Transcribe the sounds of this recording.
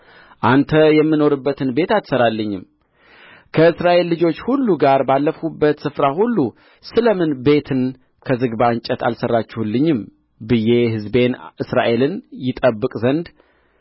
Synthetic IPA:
ʔant̪ʰəjɛmːɨno̞ɾɨbːət̪ʰɨnbe̞t̪at̪səɾalːəɲːɪm | kʰəɨsɾaʔe̞lːɨd͡ʒo̞t͡ʃːhulːuɡaɾbalːəfubːət̪sɨfɾahulːu | sɨləmɨnbe̞t̪ʰɨn | kʰəzɨɡbaɨɲt͡ʃʼɛt̪ʰa̰lsərːat͡ʃːɛhulːɨɲːɪm | bɨje̞hɨzbe̞nʔɨsɾa̰ʔe̞lɨnjɪt̪ʼəbːɨkʼzənd̪

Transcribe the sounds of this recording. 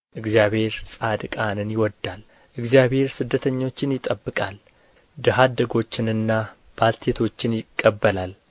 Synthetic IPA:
ʔɨɡzjaβhe̞ɾsʼad̪kʼanɨnjɪwɔd̪ːal | ʔɨɡzijaβhe̞ɾsɨd̪ːət̪ʰəɲːo̞t͡ʃːɪnjɪt̪ʼəbːɨkʼal | d̪ɨɦad̪əɡo̞t͡ʃːɪnɨnːa | b̥alt̪ʰe̞t̪ʰo̞t͡ʃːɪnjɪkʼːəbːəlal

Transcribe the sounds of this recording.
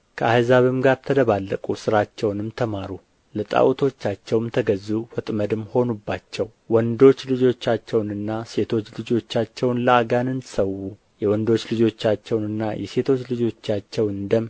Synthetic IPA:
kʰəahzaβɨmɡaɾt̪ʰəd̪əβalːəkʼusɨɾat͡ʃːɛwnɨmt̪ʰəmaɾu | lət̪ʼa̰ʔwt̪ʰo̞t͡ʃːat͡ʃːɛwɨmt̪ʰəɡəzːufət̪ʼməd̪ɨmːho̞nubːat͡ʃːɛw | wɔnd̪o̞t͡ʃːlɨd͡ʒo̞t͡ʃːat͡ʃːɛwnɨnːase̞t̪ʰo̞t͡ʃːlɨd͡ʒo̞t͡ʃːat͡ʃːɛwnləaɡanɨnsəwu | jɛwɔnd̪o̞t͡ʃːlɨd͡ʒo̞t͡ʃːat͡ʃːɛwnɨnːa̰jɛse̞t̪ʰo̞t͡ʃːlɨd͡ʒo̞t͡ʃːat͡ʃːɛwɨnd̪əm

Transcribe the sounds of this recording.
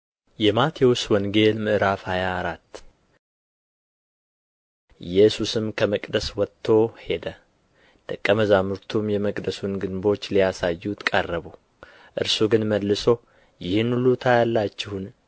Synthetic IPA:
jɛmat̪ʰewʊswɔŋɡe̞lmɨʔɨɾafhajaːɾat̪ː | jɛsusɨmkʰəməkʼd̪əswɔt̪ʰːo̞he̞d̪ə | d̪̥əkʼːəməzamuɾt̪ʰumjɛməkʼd̪əsunɡɨnbo̞t͡ʃːlijasajːut̪kʼərːəβu | ʔɨ̰ɾsuɡɨnməlːɨso̞ | jɪhɨnlut̪ʰajalːat͡ʃːɪhun

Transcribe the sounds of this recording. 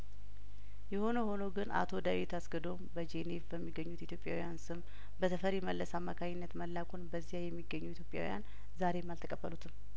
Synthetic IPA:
jɛho̞nəho̞nəwɡɨna̰t̪ʰo̞d̪awit̪ʰasɡəd̪o̞mbəd͡ʒe̞nevbəmːiɡəɲːut̪it̪ʰjo̞pʼja̰wijansɨm | bət̪ʰəfəɾjɛməlːəsamːakʰaɲɪnːət̪məlːakʰonbəzːijajɛmːiɡːəɲːuit̪ʰjo̞pʼːja̰wḭja̰n | zaɾe̞malt̪ʰəkʼəbːəlut̪ʰɨm

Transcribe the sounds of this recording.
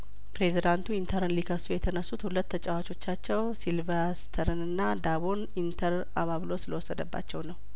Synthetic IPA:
pɾe̞zid̪ant̪ʰuint̪ʰəɾɨnlikʰəsujɛt̪ʰənəsːut̪hulət̪ːət͡ʃʼawat͡ʃʼo̞t͡ʃːat͡ʃːɛwsilvəɾsi̥t̪ʰəɾɨnɨnːad̪aβo̞n | int̪ʰəɾ | a̰βaβlo̞sɨləwɔsːəd̪əbːa̰t͡ʃːɛwnəw

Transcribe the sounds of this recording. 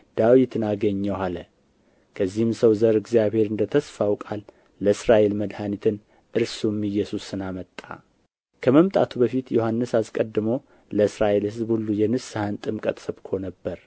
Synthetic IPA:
d̪̥awit̪ʰɨnaɡəɲːəwalə | kʰəzːihɨmsəwzəɾɨɡzijaβhe̞ɾɨnd̪ət̪ʰəsfawkʼalː | əɨsɾaʔe̞lməd̪hanit̪ʰɨn | ʔɨɾsumɨjɛsusɨnamət̪ʼːa̰ | kʰəməmt̪ʼa̰t̪ʰubəfit̪johanːɨsaskʼəd̪ːɨməw | ləɨsɾaʔe̞lhɨzbhulːujɛnɨsɨhant̪ʼɨmkʼət̪ʼsɨβkʰo̞nəbːəɾ

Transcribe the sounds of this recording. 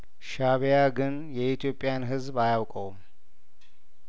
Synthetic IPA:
ʃaβejaɡɨn | jɛit̪ʰjo̞pʼːɪjanɦɨzbajawkʼəwm

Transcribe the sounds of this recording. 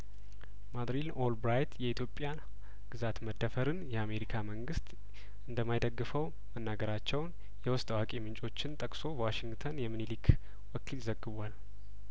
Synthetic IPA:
mad̪ɾilolbɾajt̪ʰjɛit̪ʰjo̞pʼːjan | ɡ̥ɨzat̪məd̪ːəfəɾɨnjɛame̞ɾikʰaməŋɡɨst̪ʼ | ɨnd̪əmːajd̪əɡːɨfəw | mənːaɡəɾat͡ʃːɛwn | jɛwɔst̪ʼawakʼemɨnt͡ʃʼo̞t͡ʃːɪnt̪ʼəkʼso̞bwaʃɪŋɡt̪ʰənjɛmɨnilik | wɔkʰilzəɡːɨβʷal

